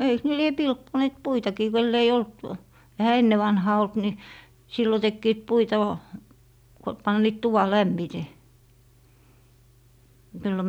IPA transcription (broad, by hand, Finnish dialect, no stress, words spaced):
eiks ne lie pilkːoneːt puitɑkiː kelː ei olt ehæ enːe ʋɑnhɑː olt ni silːo tekːiːt puitɑ ʋɑː ko pɑnːiːt tuʋɑ læmːite silːo